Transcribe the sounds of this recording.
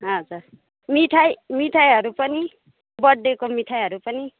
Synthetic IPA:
ʌd͡zur | miʈʰajmiʈʰajɦʌɾupʌni | bʌɽːekomiʈʰajɦʌɾupʌni

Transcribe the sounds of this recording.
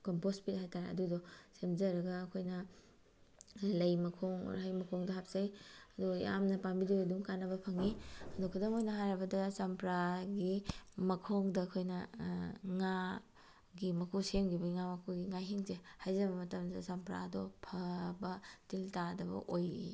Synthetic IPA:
kompospit̚hajtaɾḛɐ̰dudɔsemzɐɾɐɡɐːkʰojnɐ | lɐjmɐkʰoŋ̰ɾɦajmɐkʰoŋdɐɦap̚sajɐduja̰mnɐpambidibeduŋkanɐbɐpʰɐŋiɐdukʰudoŋojnɐɦaɾɐbɐdɐsɐmpɾaɡimɐkʰoŋdɐːkʰojnɐ | ŋa | ɡimɐkʰusemɡibɐiŋamɐkʰuɡiŋajɦiŋzehajzɐbɐmɐtɐmdɐsɐmpɾa̰dɔpʰɐbɐtiltadɐbɐ̰ʔojḭ

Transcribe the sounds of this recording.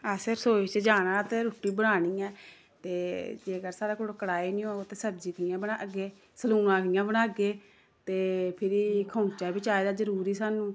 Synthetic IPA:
əsɪɾsoːt͡ʃd͡ʒaːɽ̃ãːt̪eːɾoːʈːiːbəɽ̃aːɽ̃iːɛː | t̪eːd͡ʒeːəɡəɾsaːɾeːkoɽokəɽaːiːnĩːoːot̪eːsəb̚d͡ʒiːkəjãːbəɽaːəɡeː | səluːnãːkəjãːbəɽaːɡeː | t̪eːpʰɪɾiːkʰəːt͡ʃaːbɪt͡ʃaːeːd̪aːd͡ʒəɾuːɾiːsaːnũː

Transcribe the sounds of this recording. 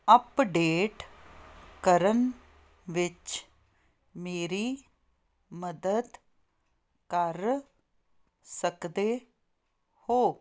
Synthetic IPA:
əpɖeːʈ | kəɾən | ʋɪt͡ʃ | meːɾi | məd̪əd̪ | kəɾ | səkd̪e | hoː

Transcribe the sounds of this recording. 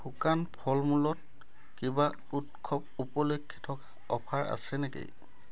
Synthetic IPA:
xukanpʰɔlmulɔt̚ | kiba | utkʰɔpupɔlokʰːi̥tʰɔkḁ | ɔpʰaɹa̰sɛnɛkḛ

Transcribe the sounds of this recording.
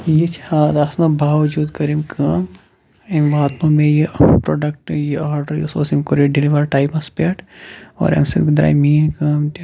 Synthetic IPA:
jit͡ʃʰaːd̪ɐsnɐbʱaːʋd͡ʒuːd̪kɐɾimkʰɐːm | emʋɐt̪mõmẽjepɾoːɖɐk̚ʈjiaːɾɖɐɾjisoːsimkoɾeɖiliʋɐɾʈaːipɐspeʈo̰ːɾɐ̰msḭd̪ɾa̰ːjmiːnkɐmt̪

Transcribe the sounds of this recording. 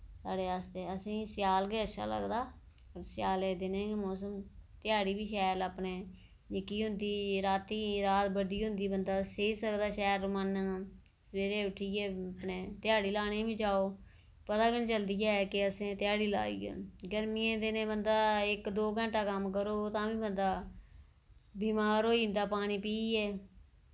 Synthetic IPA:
saːɽeːaːst̪eːəsĩːsɪjaːlɡeːəʃʰa̰ːlə̰ɡd̪aː | sɪjaːleːd̪ɪnẽːmɔːs̬əmt̪ɪjaːɽiːbiːʃɛːlaːpneː | nɪkːiːɦʊ̃nd̪iːɾaːt̪iːɾaːt̪bəɖiːɦʊnd̪iːbənd̪aːseːsəkd̪aːʃɛːɾmən | sʋeːɾeːʊʈʰiːepnẽːt̪ɪjaːɽiːlaːnẽːʋĩːd͡ʒaːoː | pət̪aːkɪnt͡ʃəld̪iːaːɛkɪəsẽːt̪ɪjaːɽiːla̰ːḭːɛ̰ːɡəɾmiːẽːd̪ɪnẽːbənd̪aːɪkd̪oːɡə̃ɳʈaːkəmkəɾoːt̪ãːʋĩːbənd̪aː | biːmaːɾɦoːiːnd̪aːpaːɽ̃ĩːpiːɛː

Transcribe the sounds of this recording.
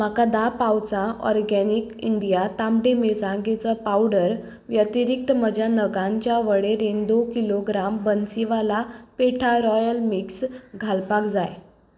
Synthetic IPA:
m̤akad̪apawt͡sãɔ̰ɾɡɛnikiɳɖijat̪ãmɖemesãŋɡet͡sapawɽəɾ | ʋjət̪iɾik̚t̪əm̤əd͡ʑʱjanəɡãɲt͡ɕjaʋəɽeɾend̪okiloɡɾambənsiʋalapeʈʰaɾɔjəlmiksɡʱalpakd͡zaj

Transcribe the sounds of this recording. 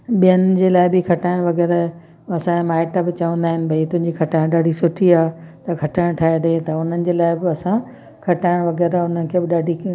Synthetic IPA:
ɓijənd͡ʑeːlaːɪbɪkʰɐʈaːɪɽ̃ʋɐɣɛːɾə | ɐsãemaːɪʈɐbɪt͡ɕɐʋə̃nd̪aːɦɪnɪ̆bʱɐit̪ʊ̃ɦɪ̃ɲd͡ʑikʰɐʈaːɪɽ̃ɗaːɖʱisʊʈʰiaːt̪ɐkʰɐʈaːɪɽ̃ʈʰaːed̪et̪ɐʊn̤ənɪ̆d͡ʑeːlaːɪbɪɐsã | kʰɐʈaːɪɽ̃ʋɐɣɛːɾəʊnənɪ̆kʰeːbɪɗaːɖʱi

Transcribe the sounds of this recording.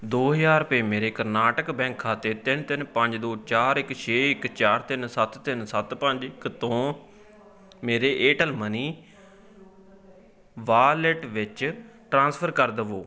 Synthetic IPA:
d̪oːɦəjaːɾpeːmeːɾeːkəɾnaːʈəkbɛ̃ːŋkʰːaːt̪eːt̪ɪnt̪ɪnpəɲd͡ʒd̪oːt͡ʃaːɾɪkt͡ʃʰeːɪkt͡ʃaːɾt̪ɪnsət̪t̪ɪnsət̪pəɲd͡ʒɪkt̪õː | meːɾeːʔeːʈəlməniː | ʋaːlɛʈʋɪt͡ʃʈɾãːnspʰəɾkəɾd̪əʋoː

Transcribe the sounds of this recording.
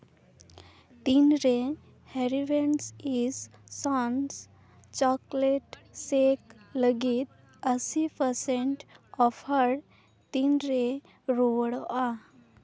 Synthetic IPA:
t̪inɾe | heɾiʋeɳsissãns | t͡ʃɔkleʈsekləɡit̪̚ | əsipəɾsẽɳʈɔfhəɾ | t̪inɾe | ɾoɽa

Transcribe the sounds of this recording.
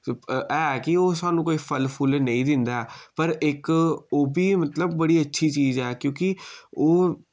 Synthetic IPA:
ɛːkɪoːsaːnũːkoːiːpʰəlpʰʊlnəĩːd̪ɪnd̪aɛːpəɾɪkoːbiːmət̪ləbːəɽiːətːʃʰiːt͡ʃiːzɛːkjõːkɪoː

